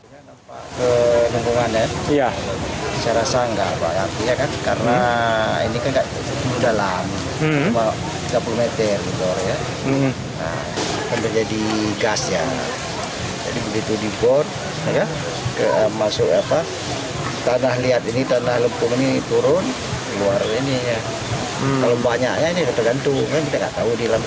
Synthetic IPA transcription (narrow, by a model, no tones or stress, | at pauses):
unanampaʔkələmpuŋanaja | saɾasaŋɡapa̰jat̪iɲakankarənaḭnikanɡaʔ | mudalam | t͡ʃuma | t̪iɡapulumet̪ərdiɡɔrja | ə̰ | kant̪ərd͡ʒadiɡasja̰ | d͡ʒa̰dibəɡit̪udibɔr | aka | kəʔəmasʊkapa | t̪anahliat̪init̪anahləmpʊŋinit̪uɾʊn | kəluarɲainija | kalobaɲaʔɲainikət̪aɡant̪uŋkankit̪aŋɡa̰ʔt̪audilam